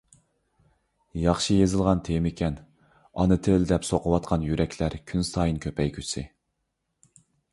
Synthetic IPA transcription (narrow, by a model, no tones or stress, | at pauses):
jɑχʃɨjezɨlˠʁɑnt̪ʰejmɪkʲʰɛn | ɑ̰nɨt̪ʰɪld̪ɛpsoqʰəwɑt̪̚qʰɑnjyɾɛkʲʰlæɾkʲʰynsɑːjinkʲʰøpɛjkʲʰysɪ